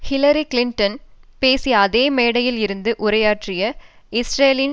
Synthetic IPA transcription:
hɪlɐɾikɪlɪɳʈɐnpeːsiɐðeːmeːɽɐjɪlɪɾɯnd̪ɯʔʊɾɐjaːʈrɪjɐ | ɪsɾeːlɪn

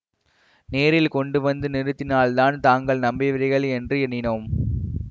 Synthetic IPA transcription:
neːɾɪlkɔɳɖɯʋɐnd̪ɯnɪɾɯt̪ːɪnaːɭt̪aːnt̪aːŋɡɐɭnɐmbɪʋɐɾɪɣɐɭɛndrɯɛɳɪnoːm

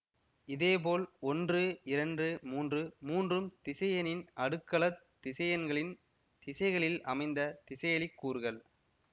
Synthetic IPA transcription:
ɪðeːp̬oːlɔndrɯɪɾɐndrɯmuːndrɯmuːndrɯmt̪ɪsɐjɐnɪnɐɽɯkːɐɭɐt̪ːɪsɐjɐnɡɐɭɪn | t̪ɪsɐɪɣɐɭɪlɐ̰mɐɪnd̪ɐt̪ɪsɐjɐɭɪkːuːɾɯɣɐɭ

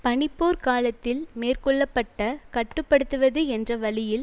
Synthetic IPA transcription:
pɐɳɪpːoːɾkaːlɐt̪ːɪlmeːrkɔɭːɐpːɐʈːɐkɐʈːɯpːɐɽɯt̪ːɯʋɐðɯɛndrɐʋɐɭɪjɪl

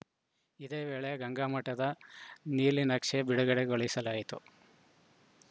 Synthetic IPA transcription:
id̪e̞ːʋeːɭeɡɐŋɡaːmɐʈːɐd̪ɐniːlinɐkʂebiɽuɡɐɽeɡoɭɐisɐlaːjit̪ṵ

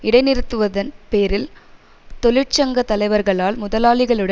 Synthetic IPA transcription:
ɪɽɐɪnɪɾɯt̪ːɯʋɐðɐnpeːɾɪl | t̪ɔlɪʈt͡ʃɐŋɡɐt̪ːɐlɐɪʋɐɾɣɐɭaːlmʊðɐlaːɭɪɣɐɭɯɽɐ

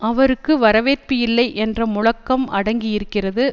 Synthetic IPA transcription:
ʔɐʋɐɾɯkːɯʋɐɾɐʋeːrpɯjɪlːɐɪʔɛndrɐmʊɻɐkːɐmʔɐɽɐŋɡɪjɪɾɯkːɪrɐðɯ

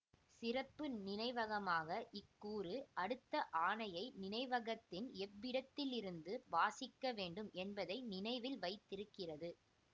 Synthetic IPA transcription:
sɪrɐpːɯnɪnɐɪʋɐɣɐmaːɣɐʔɪkːuːrɯʔɐɽɯt̪ːɐʔaːnɐjɐɪnɪnɐɪʋɐɣɐt̪ːɪnɛbːɪɽɐt̪ːɪlɪɾɯnd̪ɯʋaːsɪkːɐʋeːɳɖɯmʔɛnbɐðɐɪnɪnɐɪʋɪlʋɐɪt̪ːɪɾɯkːɪrɐðɯ

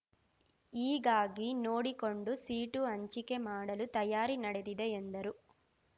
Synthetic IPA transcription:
iːɡaːɡino̞ːɽiko̞ɳɖusiːʈuɐɲt͡ʃike̞maːɽɐlut̪ɐjaːɾinɐɽe̞d̪id̪e̞end̪ɐɾu

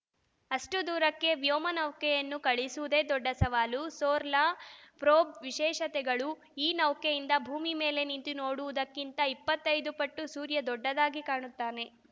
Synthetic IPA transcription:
ɐʂʈud̪uːɾɐkːe̞ʋjoːmɐnɐwkɛjɐnːukɐɭisuʋud̪e̞ːd̪ɔɖːɐsɐʋaːlusoːɾlaːpɾoːbʋiʃɛːʃɐt̪ɛɡɐɭu | iːnɐwkejind̪ɐbʱuːmime̞ːle̞nint̪ino̞ːɽuʋud̪ɐkːint̪ɐipːɐt̪ːɐjd̪upɐʈːusuːɾjɐd̪ɔɖːɐd̪aːɡikaːɳut̪ːaːne̞

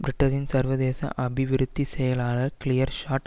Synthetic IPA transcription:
bɾɪʈːɐɾɪnsɐɾʋɐðeːsɐ̰̃ʔɐbɪʋɪɾɯt̪ːisɛjɐlaːlɐkɪlɪjɐɾʃaːʈ

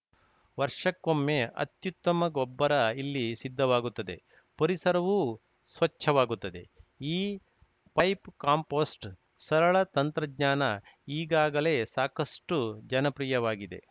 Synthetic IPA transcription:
ʋɐɾʂɐkːomːeɐ̰t̪jut̪ːɐmɐɡɔbːɐɾɐilːisid̪ʱːɐʋaːɡut̪ːɐd̪e̞ | pɐɾisɐɾɐʋu | sʋɐt͡ʃːʰɐʋaːɡut̪ːɐd̪e̞iː | pɐjpkaːmpoːsʈ | sɐɾɐɭɐt̪ɐnt̪ɾɐɡɲaːnɐ | iːɡaːɡɐle̞ːsaːkɐsʈud͡ʒɐnɐpɾiːjɐʋaːɡid̪e̞̰

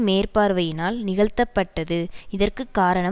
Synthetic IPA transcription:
meːrpaːɾʋɐjɪnaːlnɪɣɐɭt̪ːɐpːɐʈːɐðɯɪðɐrkɯkːaːɾɐɳɐ

